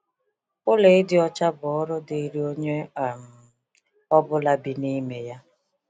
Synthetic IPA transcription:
ʊ˦le˨ɪ˦dɪ˦ɔ˦t͡ʃa˦bʊ˨ɔ˦ɾʊ˦dɪ˨i˦ɾi˦o˦ɲe˦˨m̩˨ | ɔ˦bʊ˦la˦bi˨ni˦me˨ja˦

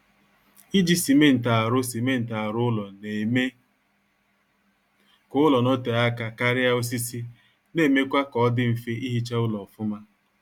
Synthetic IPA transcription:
i˦d͡ʒi˦si˨me˦n̩˨ta˨ɾʊ˦si˨me˦n̩˨ta˨a˨ɾʊ˦ʊ˦lɔ˨ne˨me˦ | kʊ˦lɔ˨no˦te˨a˦ka˨ka˦ɾɪ˦a˦o˦s̬i˦si˦ | ne˨me˦kʷa˦kɔ˨˦dɪ˦m̩˨fi˦ʔi˦ɦi˦t͡ʃa˦ʊ˦lɔ˨fʊ˦ma˦

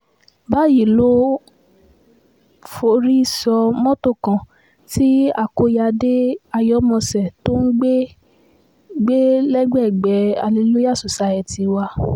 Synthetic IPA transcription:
ba˦ji˨lo˦ | fo˧ɾi˦i˦˨sɔ˧mɔ̃˦to˦˨kã˨ | ti˦a˦˨ko˧ja˧de˦a˧jɔ˨˦mɔ̃˧sɛ˨to˦n̩˦ɡ͡be˦ | ɡ͡be˦lɛ˦ɡ͡bɛ˦˨ɡ͡bɛ˨˦a̰˨li˨˧˦lo˦ja˦˨su˨sa˧˨ɛ˧ti˧wa˧

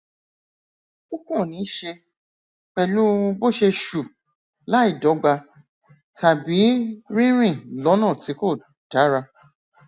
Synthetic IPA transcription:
u˦kɔ̃˦˨nĩ˨˦ʃe˧ | k͡pɛ˨lũ˦˧˦bo˦˨ʃe˧ʃu˨ | la˨˦i˦˨dɔ˨˦ɡ͡ba˧ | ta˨bi˨˦ɾĩ˦ɾ̃ĩ˦˨lɔ˨˦nãː˦˨ti˨˦ko˦˨ | d̥a˨˦ɾa˧

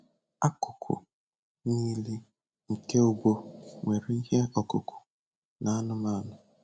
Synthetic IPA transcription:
a˦kʊ˨kʰʊ̰˨ | ni˦li˦ | ŋ̩˨ke˦ʊ˨ɡʷo˦ŋʷe˨ɾi˦i˦ɦe˦ɔ˨kʊ˨kʰʊ̥˨ | na˨a˦nʊ˦ma˦˨nʊ˨

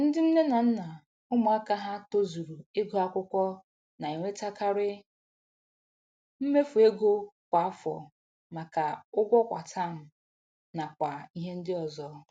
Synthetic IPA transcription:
n̩˦dɪ˦m̩˦ne˦na˨n̩˦na˨ | ʊ˦mʊ˨a˦ka˦ɦa˦to˦zu˨ɾu˨e˦ɡo˨a˦kʷʊ˦kʷɔ˦ | na˨i˨ŋʷe˦ta˦ka˦ɾɪ˦ | m̩˦me˦fu˨e˦ɡo˦kʷa˨a˦fɔ̰˨ | ma˨ka˨ʊ˦ɡʷɔ˦kʷa̰˨tʰa˦˨m̩˦ | na˨kʷa˨i˦ɦe˦n̩˦dɪ˦ɔ˨zɔ˦

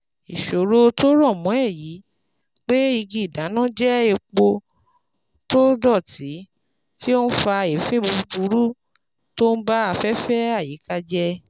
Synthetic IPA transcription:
i˨ʃo˨ɾo˦to˦ɾɔ˦˨mɔ̃˨˦ɛ˦˨ji˨˦ | k͡pe˦i˧ɡi˧˨da˨˦nã˦d͡ʒɛ˦e˧k͡po˧ | to˦dɔ˦˨ti˨˦ | ti˦o˦n̩˦fa˧e˨fĩ˦bu˧bu˧˦ɾu˦ | to˦n̩˦ba˦a˨fɛ˦fɛ˦a˦˨ji˨˦ka˧d͡ʒɛ˦˧

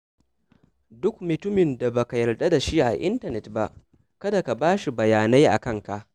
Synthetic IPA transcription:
dʊ˦kmʊ˨tʊ˦mɪ˨nda˨ba˨ka˨jɐ˨rda˦da˨ʃi˦ʔa̰˨ʔɪ̰˦ntɐ˨nɛ˨tba˨ʔ | kɐ˦da˨ka˨baː˦ʃi˨bɐ˨jaː˨na˦jʔa̰˨kɐ˦ŋka˨ʔ

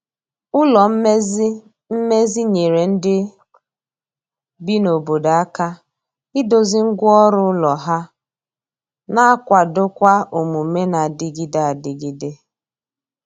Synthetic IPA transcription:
ʊ˦lɔ˨m̩˦m˦ | m̩˦me˦zi˦ɲe˨ɾe˨n̩˦dɪ˦ | bi˦no˨bo˨da˨a˦ka˦ | ɪ˦do˨zɪ˦ŋ̩˦ɡʷʊ˦ɔ˦ɾʊ˦lɔ˨ɦa˦ | na˦a˦kʷa˨dʊ˦kʷa˦o˨mu˨me˦na˨dɪ˨ɡi˦da˨a˨dɪ˨ɡi˦de˦

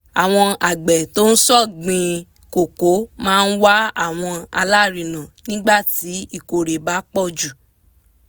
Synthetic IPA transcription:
a˨w̃ɔ̃˧a˨ɡ͡bɛ˨to˦n̩˦sɔ˦˨ɡ͡bĩ˧ | ko˨ko˨˦mãː˦˧n̩˦wa˦a˦˨w̃ɔ̃˧a˧la˦˨ɾĩ˨nã˨nĩ˦ɡ͡ba˦˨ti˨˦i˦˨ko˨ɾe˨ba˨˦k͡pɔ˦˨d͡ʒu˨

